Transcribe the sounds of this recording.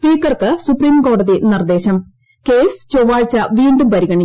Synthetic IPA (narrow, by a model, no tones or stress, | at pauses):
spiːkːɐrkɨsupriːmko̞ːɽɐðinird̪e̞ːɕɐm | keːst͡ɕoʋaːɻt͡ɕːɐʋiːɳɖumpɐɾiɣɐɳi